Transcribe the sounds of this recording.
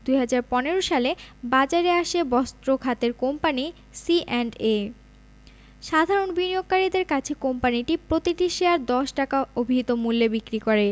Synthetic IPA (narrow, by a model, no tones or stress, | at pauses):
d̪uɦad͡ʑaɾpɔneɾoʃalebad͡ʑaɾeaʃebɔst̪ɾoɡʱat̪eɾkompani | siʔɛɳɖe | ʃad̪ʱaɾonbinioɡ̚kːaɾid̪eɾkat͡ɕʰekompaniʈipɾot̪iʈiʃeaɾd̪ɔʃʈakaobʱiɦit̪omulːebikɾikoɾe